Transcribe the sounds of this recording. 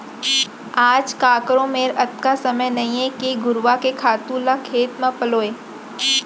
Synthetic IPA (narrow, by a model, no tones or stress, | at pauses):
aːd͡ʒkaːkɾõmeːɾɐt̪kasɐməjnɐɦĩẽkiɡʊɾʋakekʰaːt̪ũːlakʰeːt̪mə̃pɐloːeː